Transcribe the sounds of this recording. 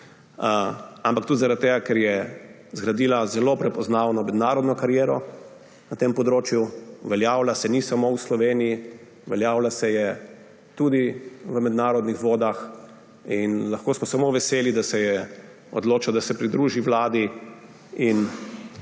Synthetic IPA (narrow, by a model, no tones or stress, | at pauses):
ampakt̪ud̪zaɾadt̪̚t̪eːɡakɛɾjɛ | zɡɾad̪iːlazɛlopɾɛpɔznaːwnɔmɛd̪naːɾɔd̪nɔkaɾjɛːɾɔ | nat̪empɔd̪ɾoːt͡ʃjuʋɛljaːwlasɛnisamowslɔʋeːnii | ʋɛljaːwlasɛjɛ | t̪ud̪iʋəmɛd̪naːɾɔd̪nixʋoːd̪ax | inlaxkoːsmɔsamoʋɛseːlid̪asɛjɛ | ɔ̰d̪loːt͡ʃad̪asɛpɾid̪ɾuːʒiʋlaːd̪i | in